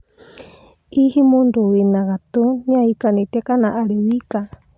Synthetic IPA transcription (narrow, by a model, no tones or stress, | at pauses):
ihimunduwinakat̪uɲãikanit̪ɛkanaʔaɾiwika